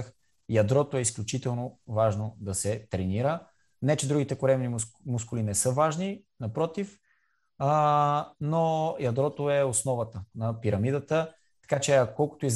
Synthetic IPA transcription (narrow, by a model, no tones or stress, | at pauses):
x | jɐd̪ɾɔt̪oɛisklʲʊt͡ʃit̪ɛlˠnovaʒnod̪ɐsɛt̪ɾɛniɾə | nɛt͡ʃɛd̪ɾuɡit̪ɛkʊɾɛmnimʊskʊlinɛsɤvaʒni | nɐpɾɔt̪if | nojɐd̪ɾɔt̪oɛosnɔvət̪ənɐpiɾɐmid̪ət̪ə | t̪ɐ̥kat͡ʃɛɐkkɔlˠkʊ̥t̪oiz